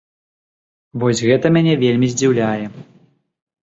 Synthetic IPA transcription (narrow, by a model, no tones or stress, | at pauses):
vɔsʲɣɛt̪ɐmʲanʲɛvʲelʲmʲizʲd͡zʲiwlʲajɛ